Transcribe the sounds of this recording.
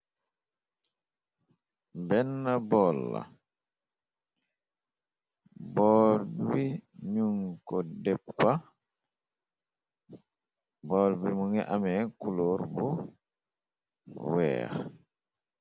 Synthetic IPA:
bɛnːabɔlːa̰ | bɔlbiɲuŋkɔdɛpka | bɔːlbimuŋɛʔamɛkuloɾbɔ | wɛ̰ːɾɛ

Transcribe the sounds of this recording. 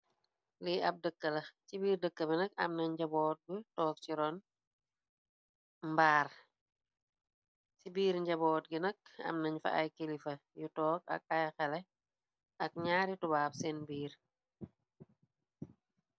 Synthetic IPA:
liɐp̚dəkːəlɐt͡ʃibiːɾdəkːəbɛnɐk̚ɐ̰mnɐɲɟɐbɔːt̚ɡutɔːk̚ciɾɔn | mbaːr | sibiːɾɲɟɐbɔːt̚ɡinɐk̚ɐ̰mnɐɲfɐ̰ʔa̰jkelifɐjutɔːk̚ɐ̰k̚ɐjxɛlɛ | ʔɐk̚ɲaːɾitubaːp̚sɛnbiːɾ

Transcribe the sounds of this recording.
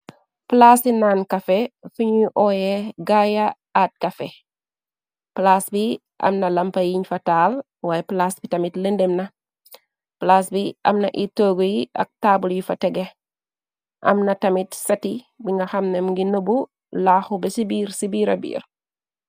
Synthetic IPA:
plaːsinaːnkɐfɛfuɲiʔɔjɛɡaja | at̚kɐfɛ | plaːsbi | ʔɐ̰mnɐlɐmpɐjiɲfɐtaːl | waːjɛplaːsbitɐmitlendemnɐ | plaːsbiʔɐ̰mnɐʔitoːɡojiɐ̰k̚taːbuljifɐtɛɡɛ | ʔɐ̰mnɐtɐmitsɐti | biŋɡɐxɐmnɛmŋɡinobu | laːxubɛsibiːɾsibiːɾɐ̰bḭːɾ

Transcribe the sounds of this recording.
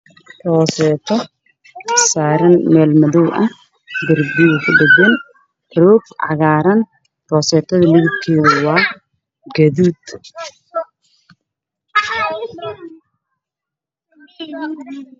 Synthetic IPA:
rɔːsɛːt̪ʰɔ | saːɾɐnmɛːlmɐðɔwʔɐh | ɡɐrbiɣkʰʊɖɐɡɐn | rɔːbʕɑ̰ɣaːɾɐn | rɔːsɛːt̪ʰɐðɐlɪɣɪb̚kʰɛːðɐwɑː | ɡɐðiːd̪

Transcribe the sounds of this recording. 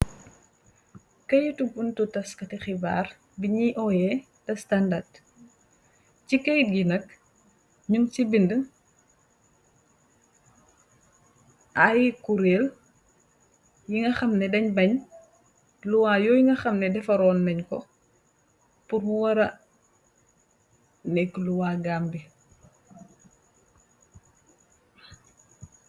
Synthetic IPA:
kɐjutubuntutɐskɐtixiba̰ːr | biɲiʔɔjɛ | tɐstandad | cikɛjt̚ɡinɐk̚ | ɲuŋt͡ʃibində | ʔajkuɾeːl | jiŋɡɐxɐmnɛdɐɲbɐɲ | luwaːjɔjiŋɡɐxɐmnɛdɛfɐɾɔːnːɐɲkɔ | puɾbuwɐɾɐ | nɛkluwaːɡaːmbi

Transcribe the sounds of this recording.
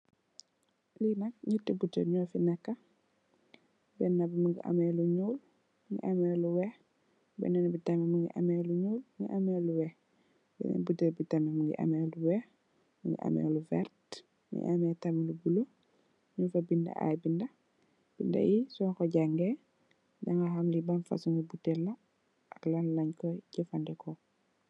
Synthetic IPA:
linɐk̚ɲitːebutəɲɔfinakːɐ | bɛnːɐbimuŋɡiʔa̰mɛluɲuːl | muŋɡḭʔamɛluwɛx | bɛ̰nɛnbitɐmɛmuŋɡḭʔɐ̰mɛːluɲuːlmŋɡḭʔamɛluwɛx | bɛ̰nɛ̰nbutəbitamɛmuŋɡḭʔɐ̰mɛːluwɛx | muŋɡḭʔɐ̰mɛ̰ːlufɛ̰rt | ḭʔamɛtɐmilubulo | ɲunfɐbindɐ̰ʔa̰jbindɐ | b̥indɐ̰jisɔkɔɟaŋɡɛ | dɐŋɡaxamlibɐnfɐ̰suŋɡibutɛlːɐ | ʔɐklɐnlɐɲkɔɟɛfandɛkʰɔ

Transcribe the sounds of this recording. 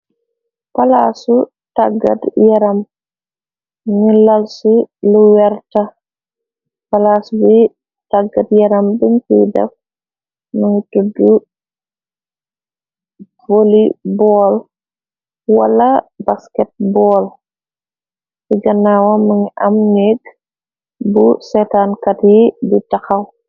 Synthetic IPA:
pɐlaːsu | taɡɐ̰djɐɾɐm | ŋilɐlsuluwɛrtɐ | pɐlaːsbi | taɡɐdjɐɾɐmbəɲkidɛ̰f | mɐŋitudːu | volibɔːl | wɐ̰lɐbaskɛt̚bɔːl | siɡɐnawɐmɐŋiʔɐmnek | busɛtaːnkɐtjibitɐxɐw

